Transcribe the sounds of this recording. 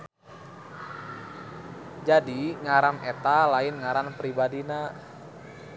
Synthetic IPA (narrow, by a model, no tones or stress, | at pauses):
d͡ʒadiŋaɾamet̪alaɪnŋaɾanpɾibadina